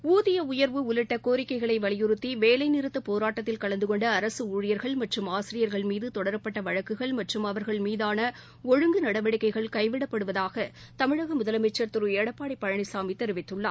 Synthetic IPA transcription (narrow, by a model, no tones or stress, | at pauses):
uːðɪjɐʊjɐɾʋɯʊlɪʈːɐkoːɾɪkːɐɪɣɐɭɐɪʋɐɭɪjɯɾɯt̪ːiʋeːlɐɪnɪɾɯt̪ːɐpoːɾaːʈːɐt̪ːɪlkɐɭɐnd̪ɯkɔɳɖɐːɾɐsɯuːɻɪjɐɾɣɐɭmɐʈrɯmaːsɪɾɪjɐɾɣɐɭmiːðɯt̪ɔɽɐɾɐpːɐʈːɐʋɐɻɐkːɯɣɐɭmɐʈrɯmɐʋɐɾɣɐɭmiːðaːnɐ | ɔɻɯŋɡɯnɐɽɐʋɐɽɪkːɐɪɣɐɭkɐɪʋɪɽɐpːɐɽɯʋɐðaːɣɐ | t̪ɐmɪɻɐɣɐmʊðɐlɐmɐt͡ʃːɐɾt̪ɯɾɯeːɽɐpːaːɽɪpːɐɻɐɳɐɪsaːmit̪ːɛɾɯʋɪt̪ːɯɭːa̰ː